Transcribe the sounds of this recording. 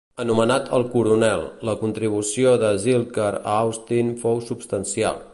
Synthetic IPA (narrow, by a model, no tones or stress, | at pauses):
ənumənat̪ʰəlˠkuɾunɛlˠləkunt̪ɾiβ̞usioðəzilˠkəɾə̰awst̪infowsupst̪ənsia̰lˠ